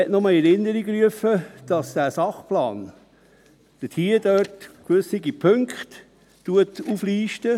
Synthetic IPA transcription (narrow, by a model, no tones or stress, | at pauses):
ɛtnɔmɑɛɾɪnːəɾiɡɾyəfəd̥ɑsd̥æːsɑχplɑːn | d̪̥ətʰiːədœtkʋɵsiɡipʰɵŋkχt | tːuətufliːʃtə